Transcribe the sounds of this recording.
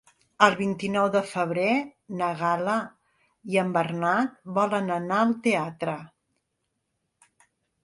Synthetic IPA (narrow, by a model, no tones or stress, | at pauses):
əlˠβint̪inɔwðəfəβ̞ɾenəɣalə | iəmbərnat̪̚bɔlənənaəlˠt̪eat̪ɾə